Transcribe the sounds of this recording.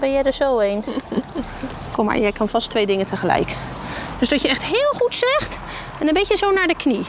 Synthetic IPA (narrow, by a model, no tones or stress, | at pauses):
bɛjɛjdəzowejn | kʰɔma̰ɹjɛjkʰɑnv̥ɑstʋejdɪŋəntəχəlɛ̰jkd̥øszdɑtjəɛχtɦɪːlˠχutsɛχt | ɛndənbɪjəzownaːɹdəkni